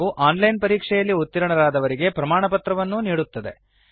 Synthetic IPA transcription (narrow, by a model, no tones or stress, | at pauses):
uʔaːnlɐjnpɐɾiːkʂɛjɐlːiut̪ːiɾɐɳɐɾaːd̪ɐʋɐɾiɡe̞pɾɐmaːɳɐpɐt̪ɾɐʋɐnːuniːɽut̪ːɐd̪e̞̰